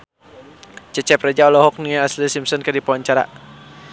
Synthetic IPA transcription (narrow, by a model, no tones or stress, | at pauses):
t͡ʃɛt͡ʃɛprɛd͡ʒaɔlɔɦɔk̚niaaslisimsɔnkədipɔaɲt͡ʃaɾa̰